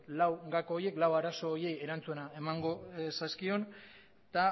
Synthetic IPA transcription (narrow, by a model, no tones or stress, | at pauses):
lawɡakooɾje̞klawaɾaso̞ːje̞je̞ɾant͡sue̞nae̞maŋɡo̞saskio̞n | t̪a